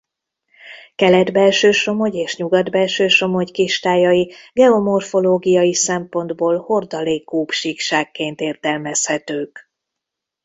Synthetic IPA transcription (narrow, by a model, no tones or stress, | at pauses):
kɛlɛd̪bɛlʃøːʃo̞mo̞ɟeːʃɲuɡɒd̪bɛlʃøːʃo̞mo̞ɟkiʃt̪aːjɒjiɡɛo̞mo̞rfo̞loːɡijɒjisɛmpo̞nd̪boːlho̞rd̪ɒleːkːuːpʃikʃaːkːeːnt̪eːrt̪ɛlmɛshɛt̪øːk